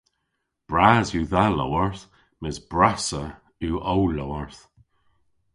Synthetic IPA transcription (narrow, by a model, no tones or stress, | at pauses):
b̥ɹazjuːðalo̰wəɹθ | mɪzbɹasə | uːʔowlowəɹθ